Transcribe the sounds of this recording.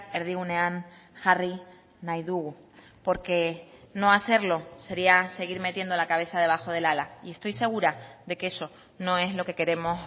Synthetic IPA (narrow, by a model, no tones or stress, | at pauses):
eɾðiɣune̞anxari | najðuɣu | po̞ɾke̞no̞aθe̞ɾlo̞se̞ɾiase̞ɣ̞iɾme̞t̪je̞nd̪o̞lakaβ̞e̞θaðe̞β̞axo̞ð̞e̞lalaie̞st̪o̞jse̞ɣ̞uɾaðe̞ke̞so̞ | nõ̞e̞ɦlo̞ke̞ke̞ɾe̞mo̞s